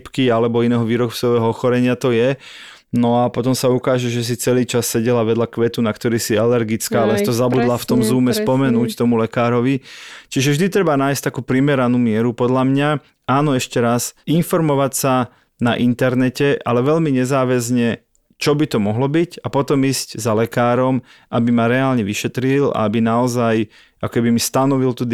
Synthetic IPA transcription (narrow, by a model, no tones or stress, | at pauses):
pkialɛbɔinɛːɦɔʋiːɾɔpt͡sɔʋɛːɦɔɔxɔɾɛɲɪat̪ɔjɛ | nɔapɔt̪ɔmsaukaːʒɛʒɛs̬it͡sɛliːt͡ʃasːɛɟɛlaʋɛd̪ʎakʋɛt̪unakt̪ɔɾiːsialɛɾɡit͡skaːalɛsit̪ɔzabud̪laft̪ɔmzuːmɛspɔmɛnuːct̪ɔmulɛkaːɾɔʋit͡ʃiʒɛvʒd̪it̪ɾɛbanaːjsct̪akuːpɾimɛɾanuːmɪɛɾupɔd̪ʎamɲa | aːnɔɛʃcɛɾasinfɔɾmɔʋacsa | naʔint̪ɛɾnɛcɛʔalɛʋɛʎmiɲɛzaːʋɛzɲɛ | t͡ʃɔbit̪ɔmɔɦlɔbicapɔt̪ɔmiːsczalɛkaːɾɔmʔabimaɾɛaːlɲɛʋiʃɛt̪ɾila̰abinaɔzaj | akɔ̥kɛbimist̪anɔʋilt̪ud̪